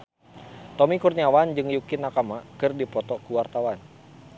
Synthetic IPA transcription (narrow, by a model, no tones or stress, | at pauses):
t̪ɔmikurɲawand͡ʒɨŋjukinakamakɨrdipɔt̪ɔkuwart̪awan